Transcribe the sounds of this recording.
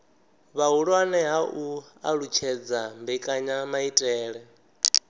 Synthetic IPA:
βaɦuɺwanɛɦaʔu | a̰ɺut͡ʃʰɛd͡zambɛkʼaɲamaitʼɛːɺɛ

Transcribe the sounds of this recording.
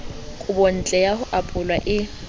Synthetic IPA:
kʼʊbɔn̩t͡ɬʼɛjahʊʔapʼʊlwaʔɪ

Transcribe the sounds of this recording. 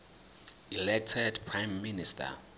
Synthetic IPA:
ilɛk̚tʰɛdpʰɹajmːinistʰa̰

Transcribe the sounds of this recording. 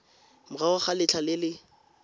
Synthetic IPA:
mʊraʊχalɪt͡ɬʰalɪlɪ

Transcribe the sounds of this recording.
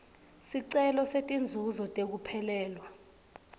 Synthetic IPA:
siǀɛlɔsetʼind͡zʱuzɔtʼek̬upʰɛlɛːlwa

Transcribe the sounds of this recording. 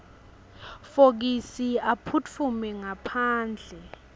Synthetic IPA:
fok̬isiapʰut͡fʰumɛŋapʰaːnd͡ɮʱɛ

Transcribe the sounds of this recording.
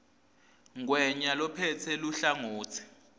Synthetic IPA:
ŋwɛɲalɔpʰɛt͡sʰɛluɬaŋoːt͡sʰi̥

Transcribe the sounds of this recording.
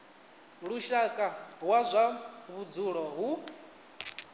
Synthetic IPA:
ɺuʃakʼaɦwazʷaβud͡zuɺɔɦu

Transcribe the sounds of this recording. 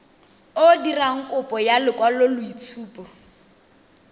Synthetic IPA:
odiraŋ̩kʼʊpʼɔjalɪkʼwalolʊit͡sʰuːpɔ

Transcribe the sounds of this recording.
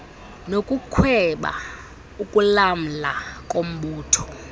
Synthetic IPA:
nokʼukʰwɛɓa̰ | ukʼulam̩lakʼom̩ɓuːtʰɔ̥

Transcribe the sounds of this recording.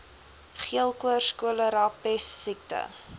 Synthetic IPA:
χiəlˠkuərskuələɾɑpɛsːik̚tə̰

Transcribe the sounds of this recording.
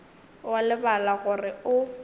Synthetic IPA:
walɪbalaɣʊrɪʊ

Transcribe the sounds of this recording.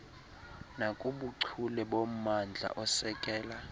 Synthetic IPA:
nakʼuɓuǀʰulɛɓom̩mand͡ɮʱa̰ʔɔsɛkʼɛːla

